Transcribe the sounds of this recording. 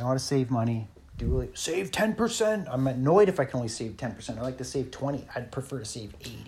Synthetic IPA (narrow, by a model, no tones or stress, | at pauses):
aɪɑɾtɨseɪvmʌɾ̃i | d̥ɨseɪv̥tʰɛ̃npə˞sɛ̃ntãɪ̃mɨnɔɪɾɨfaɪkʰɨnõʊ̃nliseɪv̥tʰɛ̃npʰə̥˞sɛ̃ntaɪlaɪk̚tʰɨseɪv̥tʰw̥ɛ̃ɾ̃ḭaɪd̚pʰɹ̥ɨfɜ˞ɾɨseɪveɪt